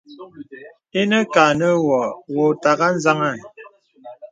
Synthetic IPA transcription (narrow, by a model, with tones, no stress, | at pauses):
e˦nə˦ka˨nə˦wɔ˨wo˨ta˨ɣa˦n̩˦za˦ŋa˦˨